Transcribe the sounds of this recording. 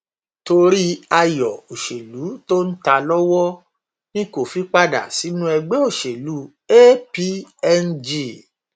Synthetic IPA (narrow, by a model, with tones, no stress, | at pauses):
to˧ɾi˦a˧jɔ˨o˨ʃe˨lu˨˦to˦n̩˦ta˧lɔ˦wɔ˦ | nĩ˦ko˦˨fi˨˦k͡pa˦da̰˨si˨˦nũ˦ɛ˧ɡ͡bɛ˨˦o˦˨ʃe˨lu˨˦ | e˦pi˦ɛ˦˧nd͡ʒi˦˨